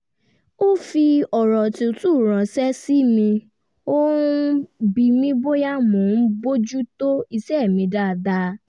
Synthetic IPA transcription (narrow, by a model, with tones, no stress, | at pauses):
o˦fi˧ɔ˨ɾɔ˨ti˧o˧tu˦˨ɾ̃ã˨sɛ˦si˦mĩ˧ | o˦ | bi˧mĩ˦bo˦ja˦mõː˨n̩˦bo˦d͡ʒu˦to˦i˧ʃɛ˦˨mĩ˧da˦˨da˧